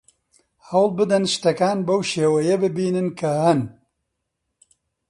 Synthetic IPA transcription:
hɐwlˠbɨd̪ɐnʃɨ̥t̪ɐkaːnbɐwʃeːwɐjɐbɨbiːnɨnkʰɐhɐn

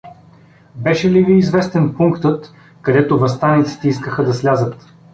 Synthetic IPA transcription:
bɛʃɛliviːzvɛst̪ɛnpuŋkt̪ɤt̪ | kɐd̪ɛt̪ovɐst̪anit̪si̥t̪ɛiskəxəd̪ɐslʲazət̪

